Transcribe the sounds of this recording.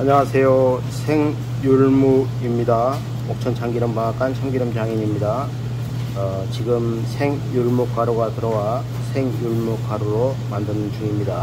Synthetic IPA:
aɲawasʰe̞jo | sʰe̞ŋ | juɭmu | imɲida | ok̚t͡ɕʰʌnt͡ɕʰaŋɡiɾɯmpaŋak͈ʰant͡ɕʰaŋɡiɾɯmt͡ɕaŋiɲimɲida | t͡ɕiɡɯmsʰe̞ŋ | juɭmuk͈aɾoɡatɯɾʌwa | sʰe̞ŋjuɭmuk͈aɾuɾo | mandɯnɯnt͡ɕuŋimɲida

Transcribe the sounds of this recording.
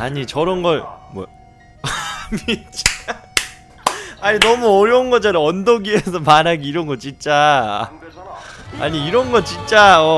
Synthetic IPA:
aɲit͡ɕʌɾʌnɡʌɭmwʌ | mid͡ʑ | aɲinʌmuʌɾjʌunɡʌd͡ʑanɯʌndoɡies̬ʰʌmanɦaɡiiɾʌnɡʌtt͡ɕint͡ɕ͈a̰ | a̰ɲiiɾʌnɡʌɭt͡ɕ͈int͡ɕ͈aʌ

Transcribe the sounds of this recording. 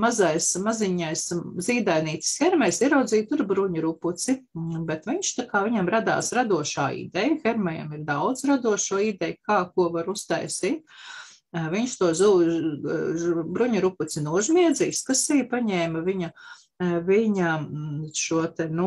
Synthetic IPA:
mazajsmaziɲajsziːd̪ajniːt̪i̥sxʲɛɾmɛjsiɛɾawd̪ziːt̪uɾbɾuɲuɾuput̪sibɛt̪ʋiɲʃt̪akaːʋiɲamɾad̪a̰ːsɾad̪uɔʃa̰ːḭd̪ɛjxɛɾmɛjɐ̰miɾd̪awd̪z̥ɾad̪uɔʃuɔid̪ɛjkaːkuɔʋaɾust̪a̰jsiːt̪̚ | viɲʃt̪uɔz | bɾuɲuɾuput̪sinuɔʒmʲiɛd̪ziːskasijpaɲɛːmɐʋiɲɐ | viɲɐʃuɔt̪ɛnu

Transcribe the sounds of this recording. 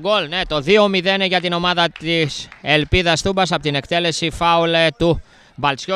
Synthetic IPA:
ɡo̞lne̞t̪o̞ðio̞miðe̞neʝɐt̪ino̞mɐðɐt̪iselpiðɐsθumbɐs̬ɐpo̞t̪ine̞kt̪e̞le̞sifɐulet̪u | vɐlt͡sço

